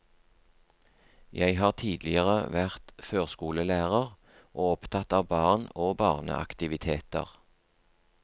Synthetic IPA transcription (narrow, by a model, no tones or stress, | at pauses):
jæɪhɑːʁt̪ʰiːd̪lɪəʁəʋæʁt̪føːʁskuːləlæːʁəʁ | ʔoːɔpt̪ʰɑt̪ɑːʋbɑːʁnoːbɑːʁnə̰ʔɑ̰kt̪ɪʋɪt̪ʰeːt̪ə̰ʁ